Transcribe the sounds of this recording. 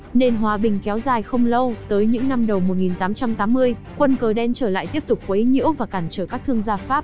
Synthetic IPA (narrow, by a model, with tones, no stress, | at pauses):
ne˧nɦwaː˨˧ɓï˨˩ŋ̟kɛ˨˦wzaː˨˩jxə˧wŋ͡mlə˧wt̪əː˨˦jɲɨ̰˧˥ŋna˧mɗə˨˩wmo˨˩t̚ŋi˨˩nt̪aː˨˦mt͡ɕa˧mt̪aː˨˦mːɨ˧əj | kwə˧nkəː˨˩ɗɛ˧nt͡ɕəː˧˩la̰ː˧˨jt̪i˦˥əp̚t̪ʊ˨˩k͡p̚kwə˨˦ɲḭ˧˥əwvaː˨˩kaː˧˩nt͡ɕəː˧˩kaː˦˥k̚t̪ʰɨ˧əŋzaː˧faː˦˥p̚